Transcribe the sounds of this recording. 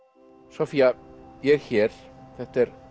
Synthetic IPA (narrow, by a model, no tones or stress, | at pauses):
sɔfiːajɛɾçɛːɾ̥θɛht̪ɛɾ